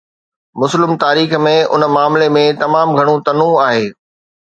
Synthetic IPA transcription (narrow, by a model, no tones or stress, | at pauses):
mʊslɪmt̪aːɾiːxmẽʊ̰nəmaːmlemẽt̪ɐmaːmɡʱɐɽ̃ũt̪ɐnũaːɦeː